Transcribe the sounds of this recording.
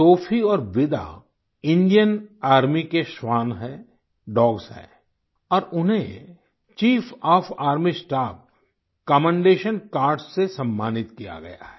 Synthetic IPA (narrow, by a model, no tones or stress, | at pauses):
soːfʰiɔːɾʋɪd̪a̰ | ɪ̃ɳɖijənaːɾmikeʃwaːnɦɛ̃ | ɖɔːɡsɦɛ̰ː | ɔːɾʊnɦẽ | t͡ʃiːfʰɔːpʰaːɾmisʈaːp̚ | kɔːmə̃ɳɖeːʃənkaːɾɖssesɐ̃mːaːnɪt̪kija̰ɡɐ̰ja̰ɦɛ̥